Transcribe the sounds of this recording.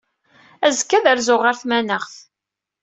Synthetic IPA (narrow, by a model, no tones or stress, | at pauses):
æzəkːæðəɾzʊʁəɾθmænəʁθ